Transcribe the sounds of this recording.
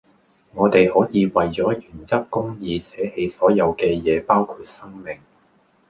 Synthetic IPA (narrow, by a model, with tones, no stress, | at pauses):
ŋɔː˨˧t̪e˨jhɔː˨˥jiː˨˧wɐ˨jt͡ʃɔː˨˥jyː˨˩nt͡sɐ˥kkʊ˥ŋjiː˧sɛː˨˥he˧jsɔː˨˥jɐ˨˧wkɛː˧jɛː˨˧paː˥wkʰuː˧t̚sɐ˥ŋmɪ˨ŋ